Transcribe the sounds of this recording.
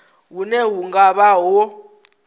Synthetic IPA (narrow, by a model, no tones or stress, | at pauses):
wunɛɦuŋɡaɓaɦɔ